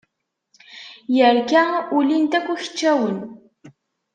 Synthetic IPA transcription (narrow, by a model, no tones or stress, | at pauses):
jæɾkaŋʊlɪnt̪akʷʊç̥t͡ʃːawən